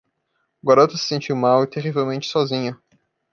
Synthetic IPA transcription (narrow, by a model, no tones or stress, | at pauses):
ɡwaɾot̪ɐsɪ̥sẽnt͡ʃiwmawɪt̪eʁivewmẽnt͡ʃɪ̥sɔzĩɲɐ